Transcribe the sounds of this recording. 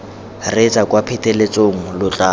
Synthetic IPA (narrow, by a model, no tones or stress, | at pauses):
ret͡sʼakʼwapʰɛtʼelet͡sʼoŋ̩lʊt͡ɬʼaː